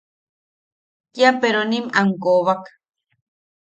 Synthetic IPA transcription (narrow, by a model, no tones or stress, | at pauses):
kjapeɾonimaŋkoβak